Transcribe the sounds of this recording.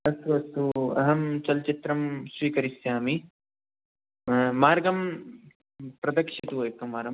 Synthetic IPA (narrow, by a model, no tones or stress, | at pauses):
ɐst̪uɐst̪uɐ̰ɦɐmt͡ʃɐlt͡ʃit̪ɾɐmsʋiːkɐɾisjaːmi | maːɾɡɐm | pɾɐd̪ɐkʂit̪uekːɐmaːɾɐm